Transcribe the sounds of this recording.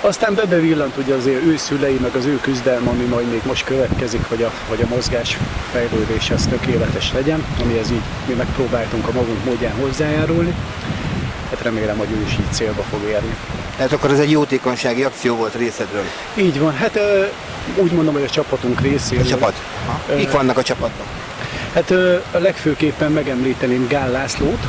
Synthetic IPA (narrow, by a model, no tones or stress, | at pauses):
ɒst̪aːmbɛbɛvilːɒnt̪uɟːɛzeːøːsylɛjimɛɡɒzøːkyzd̪ɛlmɒmimɒjd̪meːɡmo̞ʃt̪køvɛt̪kɛzikhɒɟɒ | ɦoɟɒmo̞zɡaːʃfɛjløːd̪eːʃɛɒst̪ø̞keːlɛt̪ɛʃlɛɟɛnɒmiɛziːɟ | mimɛk̚proːbaːlt̪uŋkɒmɒɡuŋkmoːɟːaːnɦo̞zːaːjaːɾulni | hat̪rɛmeːlɛmho̞ɟøːiʃiːɟ̚t̪seːlbɒfo̞ɡeːrnit̪ɛɦat̪ɒkːoɾɛzɛɟjoːt̪eːkoɲʃaːɡiɒk̚t̪sijoːvo̞lt̪reːsɛd̪røːl | iːɟvɒnɦat̪ø | uːɟmond̪omɦoɟɒt͡ʃɒpɒt̪uŋkreːseːt͡ʃɒːpɒt̪ | kikʋɒnːɒkɒt͡ʃɒpɒt̪ɒk | hat̪øːlɛkføːkeːpːɛmmɛɡɛmliːt̪ɛneːmɡaːlːaːsloːt̪